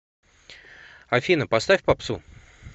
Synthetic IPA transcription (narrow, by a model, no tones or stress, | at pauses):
ɐfʲinəpɐst̪afʲpɐpsu